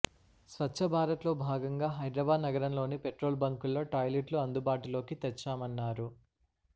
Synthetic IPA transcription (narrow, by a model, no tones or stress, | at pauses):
sʋɐt͡ʃːʃʰɐbʱaːɾɐt̪lo̞ːbʱaːɡɐŋɡaːɦɐjd̪ɾɐbaːd̪nɐɡɐɾɐmlo̞ːnipeʈɾo̞ːlbɐŋkulːoːʈɐːjliʈluɐnd̪ubaːʈulo̞ːkit̪ɛt͡ʃːaːmɐnːaːɾu